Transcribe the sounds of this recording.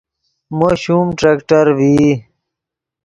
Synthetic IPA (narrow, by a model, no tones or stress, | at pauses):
moːɕumʈɾeːkʈəɾʋi